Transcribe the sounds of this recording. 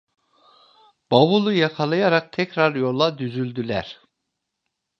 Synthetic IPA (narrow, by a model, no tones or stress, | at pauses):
b̥aβulˠujakʰalˠajaɾak̚t̪ʰɛcɾaɾjo̞lˠad̪yzylʲd̪ylʲæɾ̥